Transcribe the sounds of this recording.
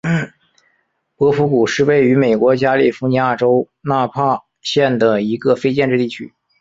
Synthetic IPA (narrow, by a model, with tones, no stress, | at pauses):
pɤ˧˥fu˧˥ku˨˩ʂɻ̩˥˧we˥˩ɪy˧˥me˨˩ɪkwɔ˧˥t͡ɕja˥li˥˩fu˧˥ni˧˥ja˥˩ʈ͡ʂo˥ʊ | na˥˧pʰa˥˧ | ɕjɛ˥˩nd̪ə˩i˧˥ɡə˧fe˥ɪt͡ɕjɛ˥˧nʈ͡ʂɻ̩˥˧t̪i˥˩t͡ɕʰy̰˥